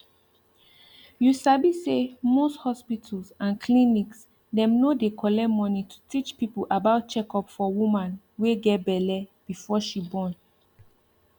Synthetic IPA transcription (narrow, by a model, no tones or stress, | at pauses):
jusabisemosthɔspitʰlsãnkʰlĩniks | dɛ̃mnodekʰɔlɛmɔnitʰu̥tʰit͡ʃpipulʔabaʊt̚t͡ʃɛkɔpfɔwumãn | weɡɛtbɛlɛb̥ifɔʃibɔ̃n